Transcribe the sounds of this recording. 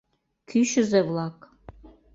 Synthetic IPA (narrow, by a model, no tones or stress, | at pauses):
kʲʰyʃɨ̆zevlɑk